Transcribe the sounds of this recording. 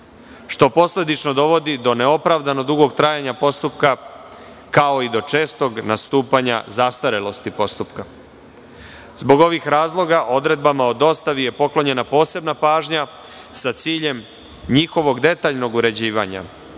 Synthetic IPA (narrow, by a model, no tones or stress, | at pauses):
ʃt̪o̞po̞sle̞d̪it͡ʃno̞d̪o̞ʋo̞d̪id̪o̞ne̞o̞pɾaʋd̪ano̞d̪uɡo̞ɡt̪ɾajaɲapo̞st̪upka | kao̞id̪o̞t͡ʃe̞ːst̪o̞ɡnast̪uːpaɲa̰zast̪aɾelo̞st̪ipo̞st̪upka | zbo̞ɡo̞ʋixɾaːzlˠo̞ɡaʔo̞d̪ɾe̞d̪̚bamaod̪o̞st̪aʋije̞po̞klo̞ɲe̞napo̞ːse̞bnapaːʒɲa | sat̪siːʎe̞m | ɲixo̞ʋo̞ɡd̪e̞t̪aːʎno̞ɡuɾe̞d͡ʑiːʋa̰ɲa̰